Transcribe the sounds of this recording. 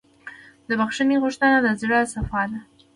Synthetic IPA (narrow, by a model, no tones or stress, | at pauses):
d̪əbaxʂəniɣuʂt̪ənalazɽəsafɑd̪a